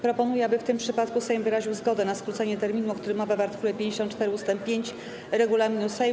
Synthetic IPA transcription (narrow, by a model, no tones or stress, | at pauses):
pɾɔpɔnujɛabɘft̪ɘmpʂɘpat̪kusɛjmvɘɾaʑiwzɡɔd̪ɛnaskɾut̪sɛɲɛt̪ɛɾmʲin̪uɔkt̪uɾɘmːɔvavaɾt̪ɘ̥kulɛpʲjeɲd͡ʑeɕɔnt̪̚t͡ʂt̪ɛɾɘust̪ɛmpːʲjeɲt͡ɕ | ɾɛɡulamʲinusɛj